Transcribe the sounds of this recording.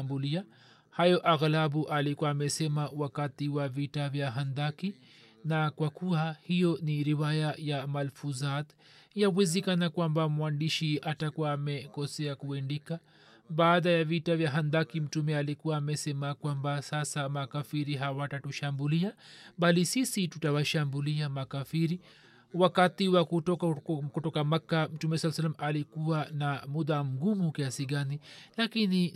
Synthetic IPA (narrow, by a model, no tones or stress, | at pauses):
mbulia | hajɔʔaɣlabuʔalikuaːmɛsɛmawakatiwavitavjaɦand̪aki | nakwakuahijɔniɾiwajajamalfuzat | jawɛzɛkanakwambamwandiʃiatakuwaːmɛkɔsɛakuɛndika | ɓaːɗajavitavjaɦand̪akim̩tumɛalikuwaːmɛsɛmakwambasasamakafiɾiɦawatatuʃambuliaɓalisisitutawaʃambuliamakafiɾi | wakatiwakutɔkɔtɔkamakːam̩tumɛsalas̬alamʔalikuwanamuðam̩ɡumukiasiɠanilakini